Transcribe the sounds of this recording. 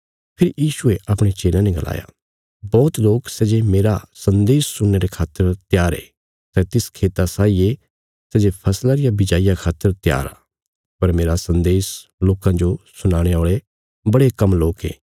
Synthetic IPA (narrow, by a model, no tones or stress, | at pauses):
pʰɪɾjiːʃueʔɐpɽ̃et͡ʃeːlãnɛ̃ɡɐlʔa̰ːja̰ | bɔːt̪loːksɛd͡ʒemeːɾasɐ̃nd̪eːsːʊnːeɾekʰaːt̪ːəɾt̪jaːɾḛː | sɛt̪ɪskʰeːt̪asaːije | sɛd͡ʒepʰɐslaɾɪjabɪd͡ʒaːijakʰaːt̪ːəɾt̪ja̰ːɾa̰ː | pɐɾmeːɾasɐ̃nd̪eːsloːkãd͡ʒosʊnaːɽ̃eoːɭe | bɐɽekɐmloːkḛː